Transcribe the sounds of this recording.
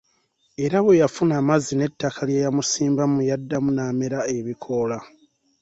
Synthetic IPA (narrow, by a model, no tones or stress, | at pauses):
e̞ɾaβejafunamazine̞tːakʰaljejamusiːmbamujadːamunaːmeɾae̞βikʰo̞la